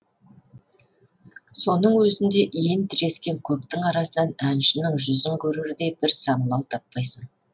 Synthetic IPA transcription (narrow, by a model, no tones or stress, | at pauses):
so̞nəɴwɵzɪnd̪e̞ʔijent̪ʰɪɾe̞skʲe̞ŋkʲʰɵp̚t̪ɪŋɑɾɑsənɑnænʃɪnɪŋʒʏzəŋkʲʰɵɾuɾɪd̪e̞bɪɾsɑɴəlˠɑwt̪ʰɑpːɑjsən